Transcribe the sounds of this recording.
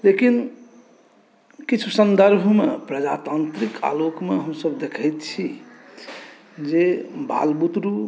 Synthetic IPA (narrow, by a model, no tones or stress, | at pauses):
lekin | kit͡ʃʰusənd̪əɾbʱmepɾəd͡ʒa̰t̪ant̪ɾikʰa̰lokmeɦəmsəbd̪ekʰəjt̪t͡ʃʰi | d͡ʒeba̰lbut̪ɾu